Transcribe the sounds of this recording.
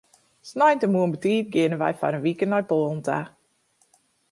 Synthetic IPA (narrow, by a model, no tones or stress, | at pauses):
snɔjntəmuənbətiːp̚ɡɪnənʋɛ̰jfa̰ɾənʋikənnɔjpɔːn̩ta̰